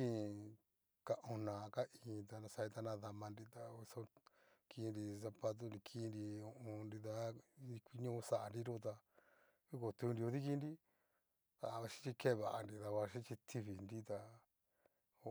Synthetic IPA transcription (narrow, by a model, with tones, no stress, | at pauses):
ĩ˦˧ | ka˧ʔõ˧nãː˨˧ka˦ʔĩ˨˧t̪a˧nã˧sa˧i˧t̪a˧nã˧ða˧mã˧nɾi˧t̪a˧i˧sõ˧˦ki˧˦˧nɾi˧s̬a˧pa˧t̪̬u˧nɾi˧kʰi˦˧˦nɾi˧o˧õ˧nɾi˧ða˦˧i˧kʷi˧ɲõ˧˦˧sa˨a˧nɾi˦ɾo˧t̪̬a˧ | i˦ko˨t̪u˧nɾi˧o˧ði˦ki˧nɾi˦ | t̪a˧βa˧ʃi̥˦t͡ʃi˧ke˦˧βa˨a˧ndi˧ða˧βa˧ʃi˦t͡ʃi˧t̪ʰi˧βi˨nɾi˦t̪a˧